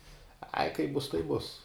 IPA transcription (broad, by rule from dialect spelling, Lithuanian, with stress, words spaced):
ɐɪ kɐɪp ˈbʊs tɐɪp ˈbʊs